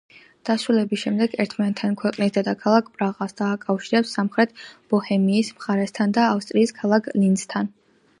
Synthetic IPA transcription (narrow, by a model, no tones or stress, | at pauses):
d̪̥asɾulɛbisʃɛmd̪ɛɡɛɾt̪ʰmanɛt̪ʰankʰwɛqʼnisd̪ɛd̪akʰalˠakʰpʼɾaʁasd̪̥aːkʼafʃiɾɛpsːamχɾɛt̪ʰb̥ɔhɛmiːsmχaɾɛst̪ʰand̪aːfst̪ʼɾiːskʰalˠakʰlinst̪ʰan